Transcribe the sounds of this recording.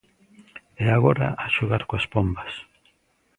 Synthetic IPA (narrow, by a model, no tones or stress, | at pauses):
eaɣo̞ɾa̰ʔaʃuɣaɾkoaspombas